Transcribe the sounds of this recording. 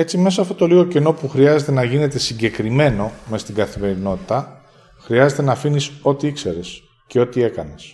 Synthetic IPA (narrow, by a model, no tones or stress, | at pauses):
e̞t͡sime̞sɐɐft̪o̞t̪o̞liɣo̞ceno̞puxɾiɐze̞t̪e̞nɐʝine̞t̪e̞siɲɟe̞kɾime̞no̞mest̪iɡɐθime̞ɾino̞t̪it̪ɐ | xɾiɐze̞t̪e̞nɐfiniso̞t̪iikse̞ɾes | ce̞o̞t̪ie̞kɐnes